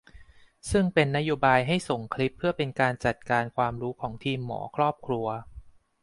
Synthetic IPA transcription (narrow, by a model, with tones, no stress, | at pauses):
sɯ˥˩ŋpe˧nːa˦˥joː˧baː˧jɦa˥˩jso˨˩ŋkʰli˦˥pʰːɯ˥˩ɐpe˧nkaː˧nt͡ɕa˨˩t̪̚kaː˧nkʰwaː˧mɾuː˦˥kʰɔː˩˦ŋt̪ʰiː˧mːɔ̰ː˩˦kʰɾɔː˥˩p̚kʰɾu˧ɐ